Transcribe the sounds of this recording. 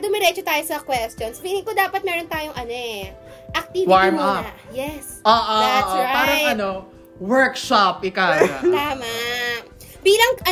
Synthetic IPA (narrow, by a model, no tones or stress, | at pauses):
d̪ʊmɛɾɛːt͡ʃot̪aːjosɐkwɛst̪jonsbilɪŋkod̪aːpɐt̪̚mɛːɾont̪aːjoŋʔɐnoʔɛ | ʔɐk̚t̪iːwaɹmɐjɛsoːʔoʔoːʔoɹaaːɾɐŋɐno | wɛɹkʃap̚ɪkajt̪aːmɐ | piːlɐŋʔɐ